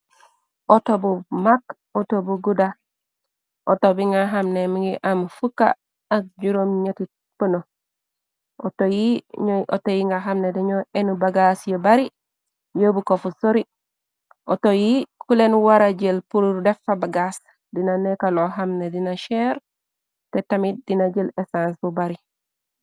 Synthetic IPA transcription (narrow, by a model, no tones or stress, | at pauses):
otobumak | otobuɡuda | ʔo̰tobiŋɡaɦamnemiŋɡiʔamfukaː | k̚d͡ʒuɾomɲetit̚ | pono | otojiɲʔotojiŋɡaɦamnedeɲoenubaɡasjobaɾi | jobukofusoɾi | ʔotojikulenwaɾaɟelpuɾudefabaɡas | dinanekaloɦamnedinaʃeɾ | tetamit̚dinaɟelesansbubaɾi